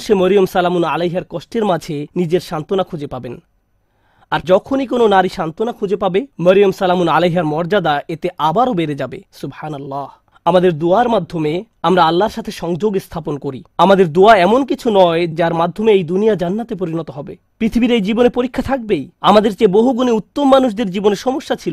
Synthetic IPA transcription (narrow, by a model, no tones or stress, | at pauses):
ʃeməɾijomsalamuna̰lejɦaɾkɔʃʈeɾmad͡ʑʱenid͡ʑeɾʃant̪onakʰod͡ʑepaben | aɾd͡ʑɔkʰonikononaɾiʃant̪onakʰod͡ʑepabeməɾijomsalamunalejɦaɾmɔɾd͡ʑad̪aet̪eʔabaɾobeɾed͡ʑabesubhanalːah | amad̪eɾd̪oaɾmad̪ʱːome | amɾaalːaɾʃat̪ʰeʃɔŋd͡ʑoɡest̪ʰaponkoɾiamad̪eɾd̪oaɛmonkit͡ɕʰunɔed͡ʑaɾmad̪ʱːomeejd̪unijad͡ʑanːat̪epoɾinɔt̪oɦɔbe | pɾit̪ʰibiɾejd͡ʑibonepoɾikʰːat̪ʰak̚bejamad̪eɾt͡ɕeboɦuɡuneut̪ːomːanuʃ̬d̪eɾd͡ʑiboneʃɔmoʃːat͡ɕʰilo